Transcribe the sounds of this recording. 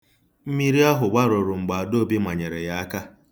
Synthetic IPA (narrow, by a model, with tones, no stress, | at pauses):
m̩˦mi˦ɾi˦a˦ɦʊ˨ɡ͡ba˦ɾʊ˨ɾʊ˨ŋ͡m̩˨ɡ͡ba˨a˨do˦bi˦ma˨ɲe˨ɾe˨ja˦a˦ka˦